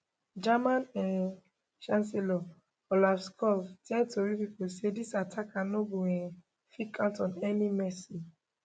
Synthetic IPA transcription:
d͡ʒamãnɛ̃n | ʃãnselɔ | olafskʰɔftʰɛ̃ntoɹipiposedisatʰakanobuɛ̃ | fikʰãʊntɔ̃nɛnimɛsi

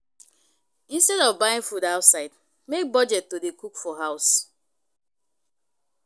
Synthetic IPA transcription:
ĩnstɛɾɔvbaɪĩŋfudaʊtsaɪd | mek̚bɔd͡ʒɛtːodekukfɔɦaʊs

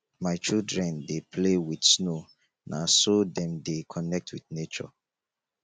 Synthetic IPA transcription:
maɪt͡ʃildɹɛ̃ndepʰlewidsno | nʔa̰sodɛ̃mdekʰɔnɛk̚tʰwidnet͡ʃɔ̰

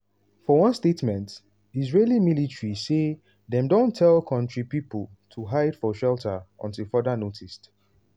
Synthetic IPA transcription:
fɔwʌ̃nstetmɛ̃nt | izɹelimilitɹise | ðɛ̃mdõntʰːɛlkʰɔ̃ntɹipipəl | tʰuɦaɪd̥fɔʃɛltʰəɔ̰̃ntifɔdənotʰist

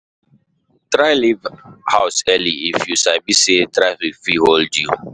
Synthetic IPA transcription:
tɾaɪlivhaʊsɛliifjusabisetɾaɪfifiholdjṵ

